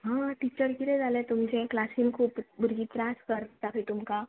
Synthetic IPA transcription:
ɦãʈit͡ɕəɾkiɾed͡zalẽt̪umd͡ʒẽklasinkʰuːpbʊɾɡit̪ɾaskəɾt̪apʰit̪umka

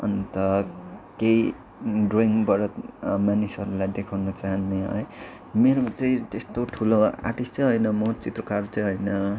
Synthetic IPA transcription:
ʌ̰nt̪ʌkei | ɖroiŋɡbʌɾʌmanisʌɾulajd̪ekʰawnʌt͡saɦʌnːeɦʌ̰e | meɾomat͡sʌĩt̪est̪oʈʰuloa̰rʈist͡sʌj̃ɦʌjnʌmʌt͡sit̪rʌkart͡sʌj̃ɦʌjnʌ

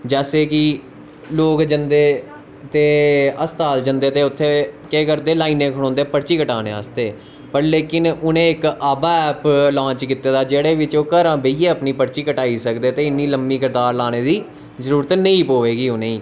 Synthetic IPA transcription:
d͡ʒɛːseːkɪ | loːkd͡ʒənd̪eː | t̪eːəst̪aːld͡ʒənd̪eːt̪eːʊt̪ʰːeːkeːkəɾd̪eːlaːiːnẽːkʰəɽ̃õːnd̪eːpəɽt͡ʃiːkəʈaːnḛ̃ːaːst̪eː | pəɾleːkɪnʊnẽːɪkaːbaːɛːplãːt͡ʃkɪt̪ːeːd̪aːd͡ʒeːɽeːʋɪt͡ʃoːkəɾãːbəiːeːəpniːpəɽt͡ʃiːkəʈaːiːsəkd̪eːt̪eːɪnːiːləmːiːkɪɾd̪aːɾlaːneːd̪iː | zəɾuːɾət̪nəĩːpoːʋeːɡiːʊnẽːiː

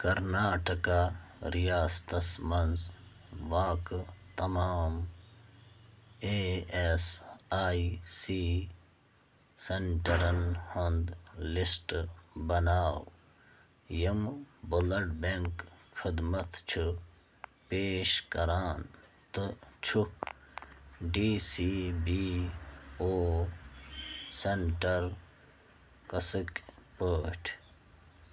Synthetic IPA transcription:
kɐɾnaːʈɐkaːɾijaːst̪ɐsmɐnz | ʋaːkt̪ɐmaːm | eesaːisiː | seɳʈɐɾɐnhond̪lisʈbɐnaːw | jɐmbolɐɖbeŋkkʰid̪mɐt̪t͡ʃʰu | peːʃkɐɾaːn | t̪ɨt͡ʃʰuk | ɖiːsibi | oː | seɳʈɐɾ | kɐsikpoːʈʰ

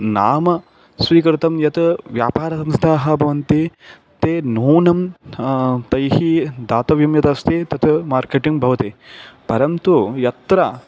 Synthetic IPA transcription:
naːmɐ | sʋiːkɐɾɪt̪ɐmjɐt̪ʋja̰ːpaːɾɐsɐmst̪ʰaːɦɐbʱɐʋɐnt̪i | t̪eːnuːnɐm | t̪ɐjɦid̪aːt̪ɐʋjɐmjɐt̪ɐst̪ʰit̪ɐt̪ʰmaːɾkeːʈiŋɡbʱɐʋɐt̪epɐɾɐnt̪ujɐt̪ɾɐ

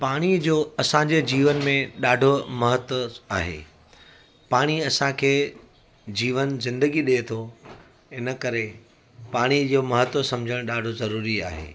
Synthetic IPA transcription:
paːɽ̃id͡ʑoːɐsãd͡ʑed͡ʑiːʋənmẽɗaːɖʱomɐɦət̪əaːɦḛː | paːɽ̃iɐsãkʰeː | d͡ʑiːʋənzɪ̃nd̪əɡiɗet̪ʰo | ɪnə̆kɐɾe | paːɽ̃id͡ʑoːmɐɦət̪əsɐ̃md͡ʑʱəɽ̃ɗaːɖʱozɐɾuːɾia̰ːɦḛː

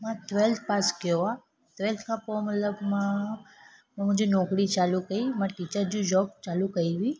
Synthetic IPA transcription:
mãt̪ʋelt̪̚ʰpaskoʋa | t̪ʋelt̪ʰkʰapoməlləɡmã | mãmə̃d͡ʒunɔ̃kɽit͡ʃalukəimãʈit͡ʃəɾd͡ʒũd͡ʒɔk̚t͡ʃalukəiʋi

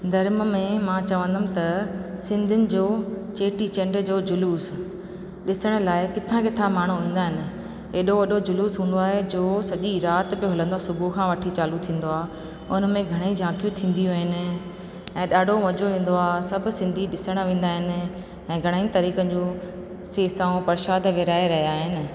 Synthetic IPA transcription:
d̪ʱɐɾmmẽmãːt͡ɕɐʋə̃nd̪ʱəmt̪ɐsɪ̃nd̪ʱʊnɪ̆d͡ʑoːt͡ɕeːʈit͡ɕɐ̃ɳɖd͡ʑoːd͡ʑʊluːs | ɗɪsəɽ̃ə̆laːɪkɪt̪ʰãkɪt̪ʰãmaːɳ̤ũʋĩːn̆d̪aːɦɪnɪ̆ | eːɗoʋɐɗod͡ʑʊluːsɦũːn̆d̪oaːɦed͡ʑoːsɐʄiɾaːt̪pjoɦʊlə̃nd̪oaːsʊbʱukʰãːʋɐʈʰit͡ɕaːlut̪ʰĩːn̆d̪oaːɦ | ʊnmẽɡʱɐɽ̃id͡ʑʱãːkjũt̪ʰĩːn̆d̪ijũɦɪnɪ̆ | ɛ̃ːɗaːɖʱomɐd͡ʑoʋẽːn̆d̪oaːɦsɐb̆ʱsɪ̃nd̪ʱiɗɪsəɽ̃ʋẽːn̆d̪aːɦɪnɪ̆ | ɛ̃ːɡʱɐɽ̃aːit̪ɐɾiːkə̃d͡ʑoː | seːsãːũpɐɾɪʃaːd̪ʱʋɪɾaːeɾɐɦjaːɦɪnɪ̆

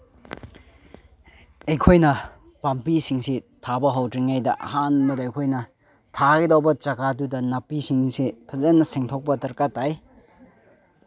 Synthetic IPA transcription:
ejkʰojnɐ | pampisiŋsitʰabɐɦawtɾiŋajdɐʔɐ̰ɦanmɐdɐːjkʰojnɐ | tʰaɡidawbɐt͡ʃɐɡadudɐnɐpisiŋsipʰɐzenːɐseŋtʰok̚pɐtɐɾkatːaj

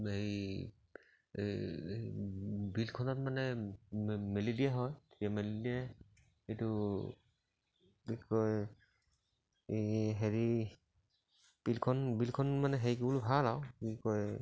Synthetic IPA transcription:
e | bilkʰɔnɔtmanɛ | melidijaɦɔjtʰetijamelidija | etu | ikɔj | ɦeɹi | pilkʰɔnbilkʰɔnmanɛɦejkbulbʱalawkikɔj

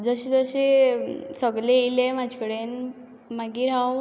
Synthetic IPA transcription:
d͡zəɕet̪əɕe | səɡlelemad͡ʑʱkəɽen | maɡiːɾaw

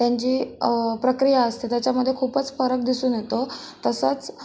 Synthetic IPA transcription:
t̪jãɲt͡ɕiːpɾəkɾijaəst̪et̪jat͡ɕjaməd̪ʱːjekʰuːpət͡sfəɾək̚d̪isuːnjet̪o | t̪əsət͡s

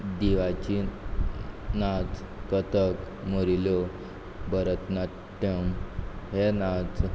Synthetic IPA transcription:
d̪iʋat͡ɕi | nat͡s | kət̪ək | moɾiljo | bəɾət̪na | ʈːəmɦenad͡z

